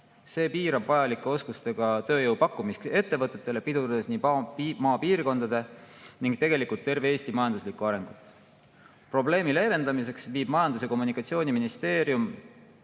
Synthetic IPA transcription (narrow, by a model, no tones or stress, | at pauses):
se̞ːpiːɾɑbvɑjɑlikːˑe̞o̞skust̪e̞ɡ̥ɑt̪ø̞ːjɤwpɑkːˑumiske̞t̪ːe̞vɤt̪ːˑe̞t̪ːˑe̞le̞pid̪ud̪d̪e̞sniːmɑːpiːrko̞nd̪̥ɑd̪̥e̞niŋɡ̥t̪e̞ɡ̥e̞likult̪ːe̞rve̞eːst̪imɑjɑnd̪uslikːˑuɑɾe̞ŋɡ̥ut̪ːˑ | pro̞ble̞ːmile̞ːve̞nd̪̥ɑmis̬e̞ksviːbmɑjɑnd̪use̞ko̞mːunikːˑɑt̪sio̞ːniminist̪e̞ːɾjum